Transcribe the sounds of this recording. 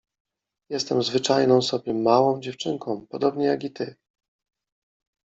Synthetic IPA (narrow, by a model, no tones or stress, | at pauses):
jɛst̪ɛmzvɘt͡ʂajnɔ̃w̃sɔbʲjɛmːawɔ̃w̃d͡ʑɛft͡ʂɘŋkɔ̃w̃pɔd̪ɔbɲɛjaɡit̪ɘ